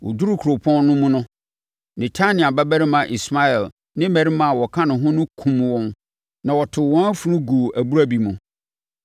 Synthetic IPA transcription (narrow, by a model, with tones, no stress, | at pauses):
wɔ̰˨du˦ɾu˦kʰu˨ɾo˨pʰɔ̃˦nnʊ̃˦mʊ̃˦nʊ̃˦ | nɛ̃˨tʰa˦nɪ̃˨a˨bɛ˦bæ˦ɾɪ˦mã˨ʔi˨sma˦ɛ˨l | nɪ̃˦mɛ˨ɾi˦mã˨wɔ˨kʰã˦nʊ̃˨ɦʊ̃˦nʊ̃˦kʰũ˨mwɔ̃˦n | nã˨wɔ˨tʰɪ˨wɔ̃˦æ˦fu˨ɾʊ̃˦ɡu˨ʔæ˨bu˦ɾæ˦bi˨mʊ̃˨